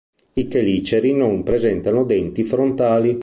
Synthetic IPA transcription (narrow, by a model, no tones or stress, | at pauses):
ikeliːt͡ʃeɾinompɾezɛnt̪anod̪ɛnt̪ifɾont̪aːli